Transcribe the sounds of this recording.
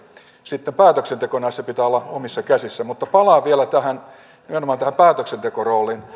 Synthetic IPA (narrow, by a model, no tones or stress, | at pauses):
sit̪ːempæːt̪øksent̪ekonæisːæpit̪æːolːɑomisːɑkæsisːæmut̪ːɑpɑlɑːʋielæt̪æhæn | nimenomɑːnt̪æhæmpæːt̪øksent̪ekoroːlin